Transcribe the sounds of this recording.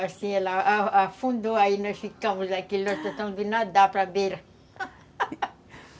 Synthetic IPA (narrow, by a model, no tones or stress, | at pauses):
asĩɛlɐaafũnd̪oainɔsfikɐ̃mʊzd̪akilnɔst̪ẽt̪ɐ̃mzd̪inad̪apɾabeɾɐ